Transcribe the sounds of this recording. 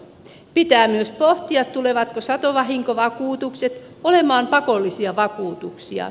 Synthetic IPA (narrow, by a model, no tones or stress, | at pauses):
pit̪æːmyøspoht̪iɑt̪t̪uleʋɑt̪kosɑt̪oʋɑɦiŋkoʋɑkuːt̪ukset̪ | olemɑːmpɑkolːisiɑʋɑkuːt̪uksiɑ̰